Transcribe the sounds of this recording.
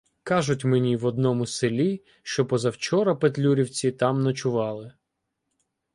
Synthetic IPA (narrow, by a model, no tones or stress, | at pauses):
kɑʒʊtʲmenʲiʋɔd̪̚nɔmʊselʲi | ʃt͡ʃɔpɔzɐwt͡ʃɔɾɐpet̪lʲuɾʲiwt͡sʲit̪ɑmnɐt͡ʃʊʋɑlˠɪ